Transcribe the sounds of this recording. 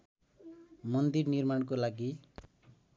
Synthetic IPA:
mʌnd̪irnirmaɳkolaɡi

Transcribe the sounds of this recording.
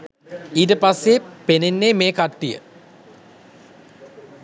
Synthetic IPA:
iːt̬əpasːepenenːemeːkaʈːijə̰

